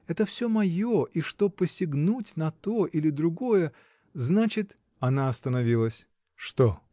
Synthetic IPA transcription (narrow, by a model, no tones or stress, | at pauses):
ɛt̪əfsʲɵmɐjo̞ʔiʂt̪o̞pəsʲɪɡnutʲnɐt̪o̞ʔilʲɪd̪ɾʊɡo̞jə | znat͡ɕɪt̪ | ɐnaɐst̪ənɐvʲilˠəsʲ | ʂt̪o